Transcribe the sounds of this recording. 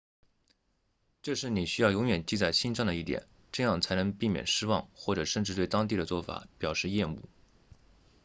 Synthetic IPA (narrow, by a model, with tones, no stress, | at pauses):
ʈ͡ʂɤ˥˧ʂɻ̩˥˩ni˨˩ɕy˥jʊjʊ˧˥ŋɥɛ˨˩nt͡ɕi˥˧t͡sa˥˩ɪɕi˥nʂɑ˥˩ŋd̪ə˩i˥˩t̪jɛ̰˨˩˦n | ʈ͡ʂɤ˥˧jɑ˥˩ŋt͡sʰa˧˥ɪnɤ˧˥ŋpi˥˩mjɛ̰˨˩nʂɻ̩˥wɑ̰˥˧ŋxwɔ˥˩ʈ͡ʂɤ˨˩ʂə˥˧nʈ͡ʂɻ̩˥˧t̪we˥˩ɪt̪ɑ˥ŋt̪̬i˥˩d̪ə˩t͡swɔ˥˩fa̰˧˩˦pjɑ˨˩ʊʂɻ̩˥˧jɛ˥˧nṵ˥˩